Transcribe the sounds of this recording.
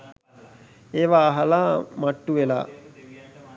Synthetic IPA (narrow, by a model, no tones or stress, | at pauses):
eːʋaːɦalaːmaʈːuʋela̰ː